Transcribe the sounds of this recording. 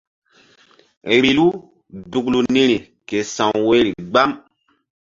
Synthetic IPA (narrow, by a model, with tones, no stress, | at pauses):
ɾi˨lu˦ | du˨klu˨nĩ˦ɾi˨ | ke˨sã˨wwe˦ɾi˨ɡ͡ba˦m